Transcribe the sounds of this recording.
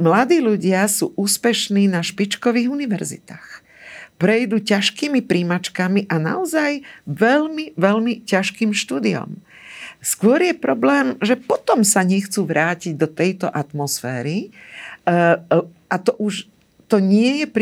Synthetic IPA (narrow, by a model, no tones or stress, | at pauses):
mlad̪iːluɟɪasuːʔuːspɛʃniːnaʃpit͡ʃkɔʋiːɣuniʋɛɾzḭt̪aːx | pɾɛjd̪uːcaʃkiːmipɾiːmat͡ʃkamiʔana̰ɔzajʋɛʎmiʋɛlmicaʃkiːmʃt̪uːd̪iɔ̰m | skʊɔɾjɛpɾɔblɛːmʒɛpɔt̪ɔmsaɲɛxt͡suːʋɾaːciɟ̚d̪ɔt̪ɛjt̪ɔʔat̪mɔsfɛ̰ːɾi | ʔat̪ɔʔuʃ | t̪ɔɲɪɛjɛpɾ